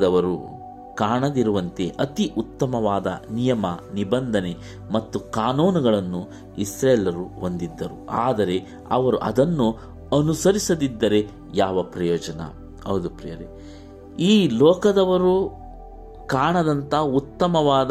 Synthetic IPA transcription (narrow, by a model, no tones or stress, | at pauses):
d̪ɐʋɐɾṵ | kaːɳɐd̪iɾuʋɐnt̪e̞ʔɐt̪iʔut̪ːɐmɐʋaːd̪ɐ̰nijɐmɐnibɐnd̪ʱɐne | mɐt̪ːukaːnoːnuɡɐɭɐnːu | isɾeːlɐɾuond̪id̪ːɐɾuaːd̪ɐɾe̞ | ɐʋɐɾuʔɐ̰d̪ɐnːu | ɐnusɐɾisɐd̪id̪ːɐɾe̞ | jaːʋɐpɾɐjɔːd͡ʒɐnɐ̰ | ɐwd̪upɾijɐɾe | iːlɔːkɐd̪ɐʋɐɾu | kaːɳɐd̪ɐnt̪ɐɦut̪ːɐmɐʋaːd̪